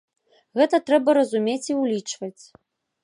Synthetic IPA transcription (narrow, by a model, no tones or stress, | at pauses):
ɣɛt̪ɐt̪ɾɛbɐɾɐzumʲet͡sʲiwlʲit͡ʂvɐt͡sʲ